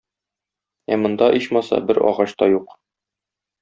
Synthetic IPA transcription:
æmŏnd̪ɑʔiɕmɑsɑ̰bɘɾɒ̰ʁɑɕt̪ɑjuq

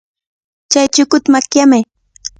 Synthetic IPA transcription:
t͡ʃajt͡ʃʊkʊt̪amakjamaj

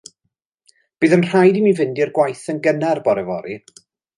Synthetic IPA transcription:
b̥iːðənr̥ajdimivɪndirɡwajθənɡənɛrbɔɾɛvɔɾi

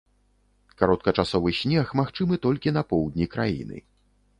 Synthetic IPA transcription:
kaɾɔt̪̚kɐt͡ʂasɔvɨɕʲnʲɛxmaxt͡ʂɨmɨt̪ɔlʲkʲinɐpɔwd̪ʲnʲikɾajḭnɨ̰

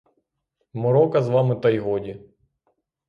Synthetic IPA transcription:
mɔɾɔkɐzʋɑmɪt̪ɐjɦɔdʲi

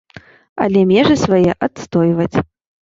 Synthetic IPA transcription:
ɐ̰lʲɛmʲɛʐɨsvajɛʔat̪st̪ɔjvɐt͡sʲ

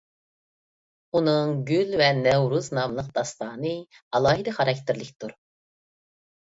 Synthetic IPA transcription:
unɨŋɡʲylvɛnɛwɾuznɑmlˠəq̚d̪ɑst̪ɑːnɨ | ɑlˠɑːɦid̪ɛχɑɾɑk̚ʲt̪ʰɪɾlɪkʲt̪ʰuɾ

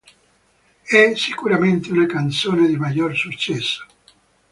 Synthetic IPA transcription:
ɛsikuɾament̪eunakant̪soːned̪imaʎorsut͡ʃːɛsːo̥

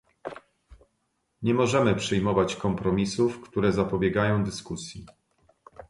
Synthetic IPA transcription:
ɲɛmɔʐɛmɘpʂɘjmɔvat͡ɕkɔmpɾɔmʲisufkt̪uɾɛzapɔbʲjɛɡajɔ̃w̃d̪ɘskusʲji

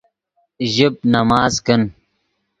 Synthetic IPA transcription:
ʒib̚nɐmaːzkən

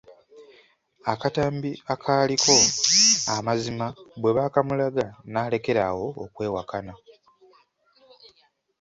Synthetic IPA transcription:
akataːmbiakʰaːlikʰo̞amazimabwe̞βaːkamulaɡanaːle̞ke̞ɾawo̞ːkwe̞ːwakana

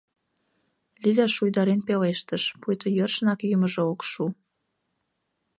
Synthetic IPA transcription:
lʲilæʃujd̪ɑɾenpeleʃt̪əʃpujt̪əjørʃənɑkjyməʒeokʃu

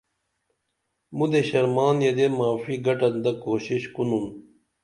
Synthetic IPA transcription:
mud̪eɕɐɾmaːnjɐd̪emaːfiɡɐʈɐnd̪ɐkoːɕiɕkunun

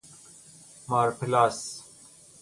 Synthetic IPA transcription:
maːɾpʰilas

